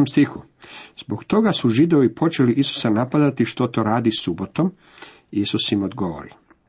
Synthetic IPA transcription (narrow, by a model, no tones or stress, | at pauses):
omst̪ixu | z̥boɡt̪o̞ɡasuʒid̪o̞ʋipʰo̞t͡ʃe̞liʔisu̥sanapad̪at̪iʃt̪o̞t̪o̞ɾaːd̪isubo̞t̪o̞m | isusimod̪ɡoʋo̰ɾi